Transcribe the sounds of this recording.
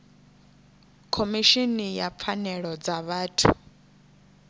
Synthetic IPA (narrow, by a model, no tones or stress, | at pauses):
kʰomiʃinijap̪fʰanɛɺɔd͡zaβaːtʰu